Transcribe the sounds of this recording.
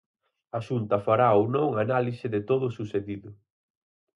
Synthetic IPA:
ɐʃunt̪ɐfaɾaownõŋanalisɪðɪt̪oðʊsuseðiðʊ

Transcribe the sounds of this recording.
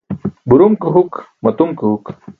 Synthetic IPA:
buɾumkɨɦukmɐt̪umkuɦuk

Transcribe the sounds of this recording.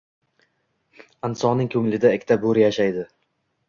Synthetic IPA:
ɪnsɒnɪŋkʰɵŋlɪd̪aɪkʲːɪt̪ʰaboɾɪjaʃajd̪ɪ

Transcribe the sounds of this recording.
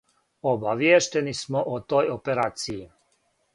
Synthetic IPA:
obaʋjeːʃt̪enismoʔot̪ojopeɾaːt̪siji

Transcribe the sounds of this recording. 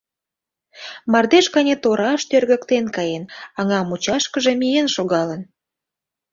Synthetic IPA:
mɑrd̪eʃkɑnʲet̪oɾɑʃt̪ørɣə̆kt̪enkɑjenɑŋɑmut͡ɕɑʃkəʒemijenʃoɣɑlən

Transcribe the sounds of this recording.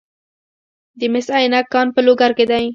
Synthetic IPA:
d̪əmɪsajnakːɑnpəloɡaɾked̪aj

